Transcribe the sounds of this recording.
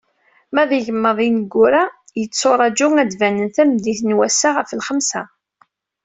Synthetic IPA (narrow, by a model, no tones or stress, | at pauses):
mæðiʝəmːəðˤinəɡʷːʊɾæ | jət͡sːoɾˤɑd͡ʒʊŋæd̪vænənθæmd̪iθnwæsːaʁəfəlχəmsæ